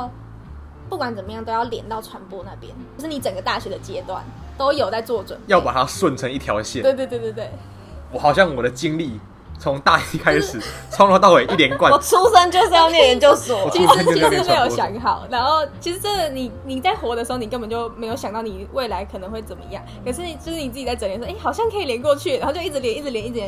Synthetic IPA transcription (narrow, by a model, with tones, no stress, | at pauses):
pu˥˩kwa˨˦nt͡sə˨˩mə˩˦jɑ˥˩ŋt̪o˥ʊjɑ˥˩ljɛ̰˧˥˦nt̪ɑ˥˩ʊʈ͡ʂʰwa˧˥npwɔ˥˧na˥˩pjɛ̰˦˥n˧ʂɻ̩˥˩ni˧˦t͡sə˨˩ŋɡə˩˦t̪a˥˩ɕɥɛ˧˥d̪ə˨t͡ɕjɛ˥t̪wa̰˥˩n | t̪o˥ʊjo˨˩t͡sa˥˧ɪt͡swɔ˥˩t͡swə̰˨˩˦njɑ˥˩ʊpa˨˩t̪ʰa˦swə˥˨nt͡sʰə˧˦ŋi˥˩t̪ʰjɑ˨˧˦ʊɕjɛ˥˨we˥˧ɪt̪we˥˧t̪we˥˧˩t̪we˥˩ɪ | wɔ˨˩xɑ˨˩ʊɕ̬jɑ˥˩ŋwɔ˨˩ɾə˩t͡ɕi˦ŋli˥˨ | t͡sʰo˧˦ŋt̪a˥˧˩ɕi˨˥kʰa˦˥ɪʂɻ̩˨˩t͡sʰŋlɔ˥t̪ɑ˥˨ʊwe˨˦ʔi˥t̪jɛ˦nkwa˥˨ɔ˨˩t͡sʰu˥sə˥nt͡ɕjo˥˧ʊʂ̩˥˧jnɛ˥˩˨ɻə˧˦nt͡ɕjo˥˧ʊsɔ˨i˥me˧˥jo˨˩ʊɕɕjɑ˧˥ŋxɑ˨˩ʊna˧˥nxo˥˩ʊt͡ɕʰi˧˥ʂɻ̩˧˥ʈ͡ʂɤ˥˩˨ni˨˩ni˨˩t͡sa˥˩ɪxwɔ˧˥˦d̪ə˧ʂɻ̩˧˥o˥˧ʊni˨˩kə˥mbə˨˩nt͡ɕo˥˧˩ʊme˧˥ɪjo˧ʊɕjɑ˨˩ŋt̪ɑ˥˩ni˨˩we˥˩ɪla˧˥ɪkʰɤ˨˩nə˧˦ŋxwe˥˩ɪt͡sə˨˩nmə̰˩i˧˦jɑ˥˩ŋkʰə˨˩ʂ̬ɻ̩˥˩˨t͡ɕʰʂɻ̩˥˩ni˨˩t͡sɹ̩ɨ˥˩t͡ɕi˨˩t͡sa˥˩ɪə˧˩ljnʂe˥˩ɪxɑ˨˩ʊɕjɑ˥˧ŋkʰi˨˩ljɛ˧˥nkwɔ˥˧t͡ɕʰy˥˩ɻa˧˦xo˥˧t͡ɕjʊi˥˩ʈ͡ʂɻ̩˧ljɛ˧˥i˥˩ɻ̩˧˩ljɛ˧˦i˥˩˧